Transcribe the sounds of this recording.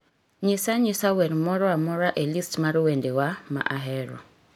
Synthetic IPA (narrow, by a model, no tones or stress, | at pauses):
ɲɪsaɲɪsawɛɾmɔɾɔamɔɾaʔelistmaɾwendewama̰ʔaɦɛɾɔ̰